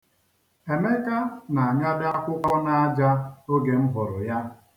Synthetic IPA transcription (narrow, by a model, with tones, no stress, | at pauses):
e˨me˦ka˦na˨a˨ɲa˦da˦kʷʊ˦kʷa˦na˨a˦d͡ʒa˦o˦ɡe˨m̩˦ɦʊ˨ɾʊ˨ja˦